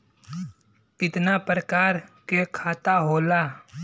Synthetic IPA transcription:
kɪt̪napɾəkaːɾkekʰaːt̪aɦoːla

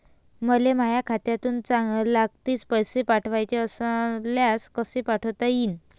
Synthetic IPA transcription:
məlemajakʰat̪jat̪uːnt͡saŋɡlak̚t̪iːspəjsepaʈʰʋajt͡ɕeəsaljaskəsepaʈʰəwt̪aiːn

